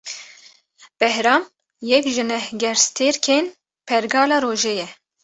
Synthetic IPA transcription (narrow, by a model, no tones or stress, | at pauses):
b̥ɛhɾɑːm | jɛkʒɨnɛhɡɛɾst̪ʰeːɾkʰeːn | pʰɛɾɡɑːlɑːɾoːʒeːjɛ